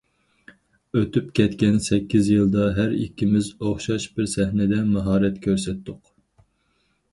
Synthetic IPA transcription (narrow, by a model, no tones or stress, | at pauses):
øt̪ypkʲɛt̪kʲɛnsɛkʲːizjɨlˠd̪ɑɦæɾḭkʲʰːimɪzoχʃɑʃbɪɾsɛhnɪd̪ɛmɑɦɑːɾɛt̪kʲʰøɾsɛt̪ːʊq